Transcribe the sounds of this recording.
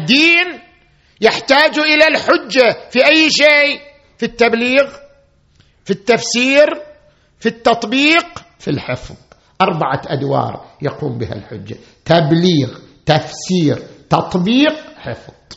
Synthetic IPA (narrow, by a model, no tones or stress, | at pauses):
d̪iːn | jɪħt̪aːd͡ʒuʔɪlalħʊd͡ʒːafiʔajːʃeːʔ | fit̪ːabliːɣ | fit̪ːafsiːɾ | fit̪ːɑt̪ˤbiːq | filħɪfðˤ | ʔɑɾˤbaʕaʔad̪wɑ̰ːɾˤjaquːmbɪha̰lħʊd͡ʒːa̰ | t̪abliːɣt̪afsiːɾt̪ɑt̪ˤbiːqħɪfðˤ